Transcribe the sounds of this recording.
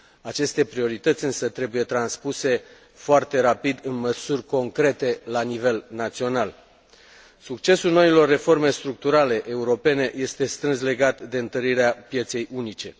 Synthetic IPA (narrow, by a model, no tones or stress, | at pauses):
at͡ʃe̞st̪e̞pɾio̞ɾit̪ət̪sʲɨnsət̪ɾe̞buje̞t̪ɾanspuse̞ | foart̪e̞ɾapid̪ɨnməsurʲko̞ŋkɾe̞t̪e̞lanive̞lnat̪sio̞nal | sukt͡ʃe̞sulno̞ilo̞rːe̞fo̞rme̞st̪ɾuk̚t̪uɾale̞ʔeuɾo̞pe̞ne̞je̞st̪e̞st̪ɾɨnsle̞ɡat̪d̪e̞ɨnt̪əɾiɾeapje̞t̪se̞junit͡ʃe̞